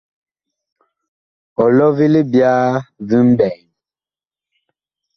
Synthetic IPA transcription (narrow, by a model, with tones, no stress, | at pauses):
ɔ˨lɔ˦vi˦li˦bja˦vi˦m̩˦bɛ˨j